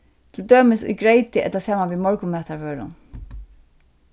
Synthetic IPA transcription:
t̪ʰɪld̪øːmɪsʊ̰jɡɹeɪt̪ɪʔɛ̰t̪lasaːmanʋimɔɹkʊmɛːt̪aɹʋøːɾʊ̰n

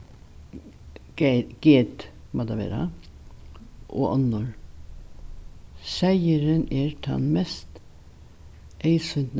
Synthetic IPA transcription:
ɡ̥eːt̪ | mʔɑd̪ɑʋḛːɾɑ̰ | ʔo̰ːʔɔnːɔɾ | sæɪəɾəneːɾtʰɑ̰nmɛst̪ | ʔeɪsʏn

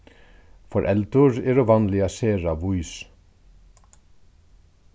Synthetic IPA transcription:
fɔɾʔɛlt̪ʊɹɛːɾoʋɑnlɪaseːɾaʋuʏs

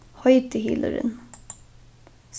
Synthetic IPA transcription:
hɑʏt̪əhḭləɾə̰n | s

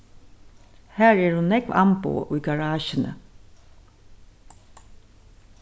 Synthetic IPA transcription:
hæːɹɛɹhʊnːɛɡʋɑ̰mpo̰ʔyːɡɑɹɑːʃənə̰

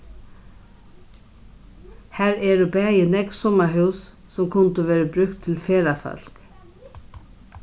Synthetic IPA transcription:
hɛɾɛɾʏpɛːjɪnɛksɔmaɦʉwsː | ɛmkʰʊnt̪ʏvɛːɾɪpɾʏkt̪ʰːɪlfɛːɾafœ̰l̥k

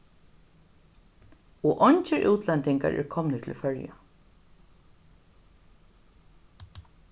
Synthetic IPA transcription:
ɔʔɔɲt͡ʃɪɹʔuːt̪lɛnt̪ɪŋka̰ɹʔɛ̰ɹkʰɔmnət̪ʰɪ̰lfœɹja̰

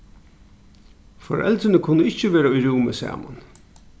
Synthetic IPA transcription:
fɔɹʔɛ̰lt̪ɾɪnəkʰʊnːəɪhcːəʋeːɾaʊjɹuːməsæ̰ːma̰n

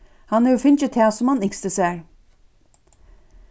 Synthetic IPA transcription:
hɑnɛjufɪnt͡ʃət̪ʰɛːsɔmhɑnɪkst̪əsæːɹ

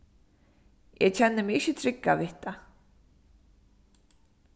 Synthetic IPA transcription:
jɛcʰɛnːɪmɪɪçːɪt̪ʰɾɪkːaðɪht̪a

